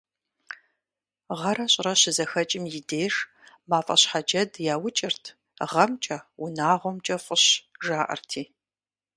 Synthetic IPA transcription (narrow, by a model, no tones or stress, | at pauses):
ʁɐɾɐɕʼrɐɕɪzɐxɐt͡ʃʼɪmjɪdeːʂ | maːfʼɐ̰ɕħad͡ʒɐdjaːwʊt͡ʃʼɪrtʰ | ʁɐmt͡ʃʼɐwʊnaːʁʷɔmt͡ʃʼɐfʼəɕʒaːʔɐ̰rtʰiː